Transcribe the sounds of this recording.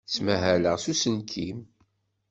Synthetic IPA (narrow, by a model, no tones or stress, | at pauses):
t͡sːmæɦæləʁsusənkʰim